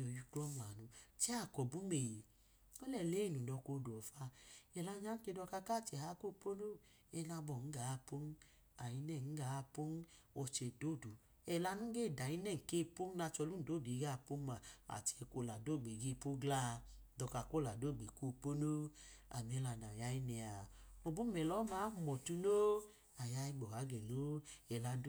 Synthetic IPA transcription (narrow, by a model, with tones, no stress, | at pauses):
o˨ju˦klɔ˦ma˨nu˧t͡ʃɛ˦a˦˨kɔ˨bu˨˦me˨je˨ | ɔ˦lɛ˨le˨˦˨nu˨dɔ˧ko˧˨du˨ɔ˨fa˧ɛ˨la˧ɲa˦n̩˦ke˧dɔ˧ka˧ka˦˨t͡ʃɛ˨ha˧˦ko˦˨po˦no˦˨ | ɛ˧na˧bɔ˨n̩˦ɡa˨˦˧po˦n˦ | a˨ji˧nɛ˦˨n̩˦ɡa˨˦˧po˦n˦ | ɔ˧t͡ʃe˧˨do˦˨do˨ | ɛ˧˨la˧nu˦ɡe˦˨da˨i˦nɛ˦˨ŋ̩˨ke˦˨po˦m˦na˧t͡ʃɔ˧lu˦n̩˨do˨˦˨dɡa˦˨po˦ma˨a̰˨t͡ʃɛ˧ko˧la˨do˦˨ɡ͡be˨ɡe˦˨po˦ɡlaː˦˨dɔ˧ka˨ko˦la˨do˦˨ɡ͡be˨ko˦˨po˦no˦a̰˨m˨ɛ˦la˧˨na˨ja˦ji˦nɛ˨a˨o˨bu˦mɛ˨lɔ˨˦ma˨˦˨mɔ˨tu˧no˦ | a˨ja˧˦i˦ɡ͡bɔ˨ha˨˦ɡɛ˨no˦ɛ˨la˧